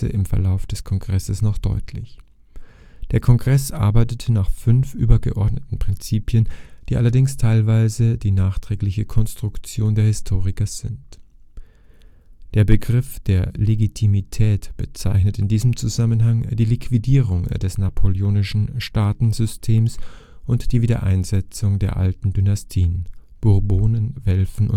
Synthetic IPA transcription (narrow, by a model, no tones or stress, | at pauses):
ə̰ʔɪmfɛɐlaʊfd̥ɛskʰɔŋɡʁɛsəsnɔχd̥ɔ̰ʏtʰlɪ̰ç | d̥eːɐkʰɔŋɡʁɛsʔa̰ɐbaɪtətʰənaːχfʏnfʔy̰ːbɐɡə̰ʔɔ̰ɐdnətn̩pʁ̥ɪnt͡siːpjənd̥iːʔalɐdɪŋstʰaɪlvaɪzədiːnaːχtʁ̥ɛːklɪçəkʰɔnstʁ̥ʊkt͡sjoːndeːɐhɪstʰoːʁɪkɐz̥ɪ̰nt | d̥eːɐbəɡʁɪfd̥eːɐleɡitʰimitʰɛːtb̥ət͡saɪçnətɪndiːzəmt͡suzamənɦaŋd̥iːlikʰv̥idiːʁʊŋdɛsnapʰolioːnɪʃn̩ʃtaːtn̩zʏstʰeːms | ʔʊntd̥iːviːdɐ̰ʔa̰ɪnzɛt͡sʊŋdeːɐʔa̰ltn̩dynastʰiːən | b̥ʊɐboːnənvɛlfn̩ʊ̰